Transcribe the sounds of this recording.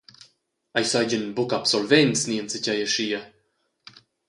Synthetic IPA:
ajsajd͡ʑənbukapsɔlvɛnsniənt͡səcajəʃiːə

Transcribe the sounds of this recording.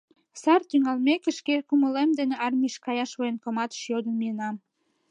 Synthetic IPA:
sɑrt̪yŋɑlmekĕʃkekuməlemd̪eneɑrmiʃkɑjɑʃβojənkomɑt̪ə̥ʃjod̪ənmiənɑm

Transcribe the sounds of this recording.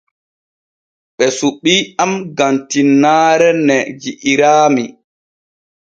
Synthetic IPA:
ɓɛsuɓːiːamɡantinːaːɾɛnɛd͡ʒiʔiɾaːmi

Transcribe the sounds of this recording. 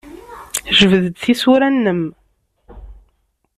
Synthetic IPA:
ʒəvəðəd̪θisuɾænːəm

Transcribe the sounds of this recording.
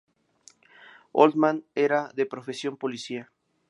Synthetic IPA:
o̰ld̪mãneɾaðe̞pɾo̞fe̞sjo̞mpo̞lisia

